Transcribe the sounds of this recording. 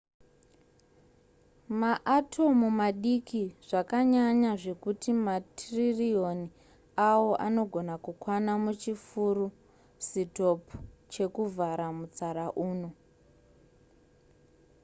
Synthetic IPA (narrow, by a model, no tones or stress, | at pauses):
maʔatʰo̞mumaɗikiʐ̥akaɲaɲaʐe̞kutimatririoni | awo̞ʔano̞ɡʱo̞nakukwanamut͡ʃifuɾu | sito̞pt͡ʃe̞kuvaɾamut͡saɾaʔuːno